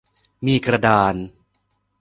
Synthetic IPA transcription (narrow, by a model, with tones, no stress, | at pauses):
miː˧kɾa˧daː˧n